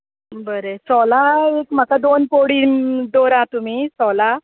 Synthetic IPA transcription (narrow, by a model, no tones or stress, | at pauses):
bəɾesɔlaekm̤akad̪onpoɽiːnd̪oɾãt̪um̤iːsɔla